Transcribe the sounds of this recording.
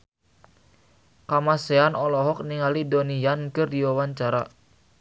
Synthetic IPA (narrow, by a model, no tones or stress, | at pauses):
kamaseanɔlɔɦɔk̚niŋalidonijankərdiwawaɲt͡ʃaɾa̰